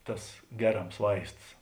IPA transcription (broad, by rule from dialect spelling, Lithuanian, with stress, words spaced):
ˈtɐs ˈɡʲæːˌrɐms ˈʋɐɪsts